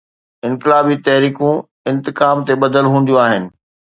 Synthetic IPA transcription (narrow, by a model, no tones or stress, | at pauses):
ɪ̃nkɪlaːbit̪ɐɦɾiːkũ | ɪ̃nt̪ɪkaːmt̪eɓɐd̪əlɦũːn̆d̪ijũaːɦɪnɪ̆